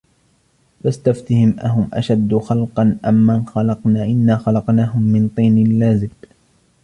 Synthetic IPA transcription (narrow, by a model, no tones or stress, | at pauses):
fast̪aft̪ɪhɪmʔaɦʊmʔa̰ʃad̪ːxɑlqɑnʔamːanxɑlɑqnaːʔɪnːaːxɑlɑqnaːɦʊmːɪnt̪ˤiːnɪlːaːzɪb